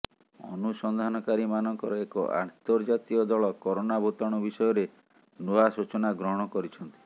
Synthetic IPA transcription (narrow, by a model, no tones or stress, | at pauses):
ɔ̰nusɔnd̪ʱanɔkaɾimanɔŋkɔɾɔekɔ̰ʔa̰nt̪ɔɾd͡ʒat̪iɔd̪ɔɭɔkɔɾonabʱot̪ɔɽ̃ɔbisɔjɔɾe | noasut͡ʃɔnaɡɾɔɦɔɽ̃ɔkɔɾit͡ʃʰɔnt̪i̥